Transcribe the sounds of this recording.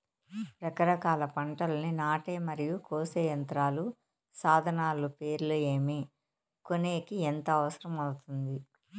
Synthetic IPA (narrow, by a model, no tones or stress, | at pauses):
ɾɐkɐɾɐkaːlɐpɐɳʈɐlɐninaːʈeːmɐɾijukoːseːjɐnt̪ɾaːlu | saːd̪ʱɐnaːlupeːɾlueːmi | koneːkient̪ɐːʋɐsɐɾɐmɐwt̪und̪i